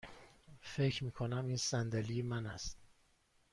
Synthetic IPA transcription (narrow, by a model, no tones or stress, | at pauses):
fe̞cʰɾmiːkʰonæmiːnsænd̪elimænæst̪̚